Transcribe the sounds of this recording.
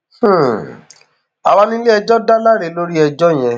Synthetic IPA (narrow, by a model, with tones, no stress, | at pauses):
h̩˦˨ | a˧wa˦nĩ˦le˦ɛ˧d͡ʒɔ˦da˦la˦ɾe˨˦lo˦ɾi˦ɛ˧d͡ʒɔ˦˨j̃ɛ̃˧